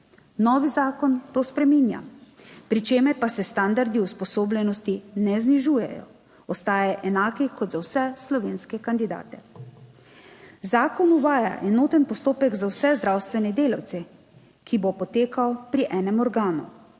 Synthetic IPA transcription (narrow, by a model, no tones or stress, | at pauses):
nɔːʋizaːkɔnt̪oːspɾɛmiːnja̰pɾit͡ʃeːmɛɾpasɛst̪and̪aɾd̪iuspɔsoːblʲɛnɔst̪inɛzniʒuːjɛ̰jɔ̰ | ɔst̪aːjɛʔɛnaːkikɔd̪zawsɛslɔʋeːnskɛkand̪id̪a̰ːt̪ɛ | zaːkɔnuʋaːja̰ʔɛnoːt̪ɛnpɔst̪oːpɛɡzawsɛzd̪ɾawst̪ʋɛnɛd̪eːlaw̪sɛ | kʰibopɔt̪eːkawpɾiʔɛːnɛmɔɾɡaːnu